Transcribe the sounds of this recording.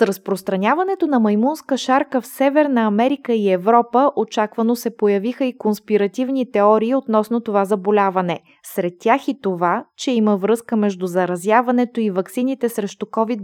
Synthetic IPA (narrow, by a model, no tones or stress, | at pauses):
sɾɐspɾost̪ɾɐnʲavɐnɛt̪onɐmɐjmunskəʃaɾkəfsɛvɛɾnəɐmɛɾikəiɛvɾɔpəʔot͡ʃakvɐnosɛpojɐvixəikonspiɾɐt̪ivnit̪ɛɔɾiːot̪nɔsnot̪ovazɐbolʲavɐnɛ | sɾɛt̪ːʲjaxit̪ovat͡ʃɛiməvɾɤskəmɛʒd̪uzɐɾɐzʲjavɐnɛt̪oivɐksinit̪ɛsɾɛʃt̪ukɔvid̪